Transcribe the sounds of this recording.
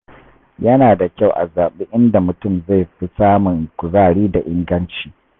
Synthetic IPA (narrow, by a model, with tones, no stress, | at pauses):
jɐ˦naː˨da˨kʲa˦˨wʔa̰˨zaː˨ɓe˦ʔɪ˦nda˨mʊ˨tʊ˦˨mza˦˨jɸi˦saː˦mʊ˨ŋkʷʊ˨zaː˦˨ɽiː˦da˨ʔɪ˦ŋɡɐ˦nt͡ʃiː˦